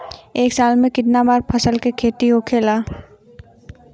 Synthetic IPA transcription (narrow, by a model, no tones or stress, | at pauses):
eːksaːlmẽkɪt̪nabaːɾpʰɐsəlkekʰeːt̪iɦokʰeːlaː